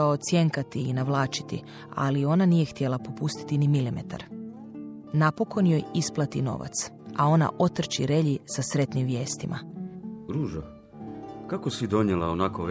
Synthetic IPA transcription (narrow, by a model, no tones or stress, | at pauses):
ot̪sjeŋkat̪iːnaʋlˠaːt͡ʃi̥t̪ḭ | a̰lio̞nanije̞xt̪jelˠapo̞pust̪i̥t̪inimilimḛt̪ʰa̰ɾ | napo̞kʰo̞njojisplˠat̪ino̞̰ʋa̰t̪s | ao̞na̰ʔo̞t̪r̩t͡ʃiɾe̞ʎisasɾe̞t̪nimʋje̞ːst̪ima̰ | ɾuːʒo | kakosid̪o̞ɲjelˠaonakoɾ